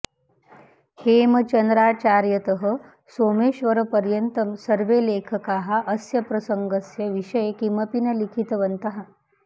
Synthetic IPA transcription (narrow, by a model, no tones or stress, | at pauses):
hemət͡ɕənd̪ɾat͡ɕaɾjət̪əɦə̆ | soːmeːʃʋəɾəpəɾjənt̪əmsəɾʋeleːkʰəkaɦaʔəsjɐpɾɐsəŋɡəsjɐʋiʂəjekiməpinɐlikʰit̪ʋənt̪əɦa